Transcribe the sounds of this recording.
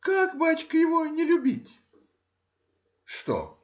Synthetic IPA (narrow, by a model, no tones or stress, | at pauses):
kakbat͡ɕkəjɪvonʲɪlʲʊbʲitʲ | ʂt̪o̰